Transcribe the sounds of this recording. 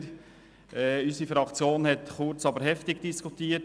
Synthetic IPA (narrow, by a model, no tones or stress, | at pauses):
ɾ | ʔɛysifɾɑkt͡sjoːnhɛtχʊɾt͡sɑbəɾhɛftɪɡ̥d̥iskʰutiːət